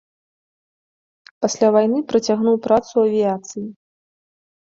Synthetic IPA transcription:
pasʲlʲavajnɨpɾɐt͡sʲaɣnuwpɾat̪suɐvʲijat̪sɨji

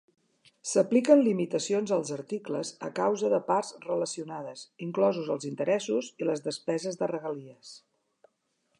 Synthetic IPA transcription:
səplikənlimit̪əsionzəlˠzəɾt̪ikləzə̰kawzəðəparzrələsiunað̞əziŋklɔzuzəlˠzint̪əɾɛsuziləzðəspɛzəzðərəɣəliəs

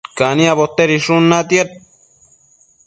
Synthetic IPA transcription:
kanĩaβot̪ːeɾiʂunːat̪jeɾ

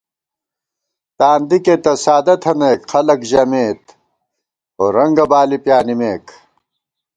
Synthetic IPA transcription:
t̪aːnd̪iket̪ɐsaːd̪ɐt̪ʰɐneːkxɐlɐkʑɐmeːt̪ | oːɾɐŋɡɐbaːlipjaːnimeːk

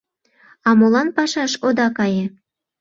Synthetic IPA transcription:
ɑmolˠɑnpɑʃɑʃod̪ɑkɑjĕ

